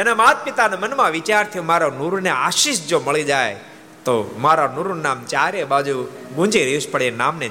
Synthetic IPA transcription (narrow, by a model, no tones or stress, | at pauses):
enamat̪̚pɪt̪anemənmãʋɪt͡ʃaɾt̪ʰijũmaɾonuɾneaʃiʃd͡ʒoməɭid͡ʒaj | t̪omaɾanuɾunamt͡ʃaɾebad͡ʒuɡũd͡ʒiɾiuʃpəɽenamne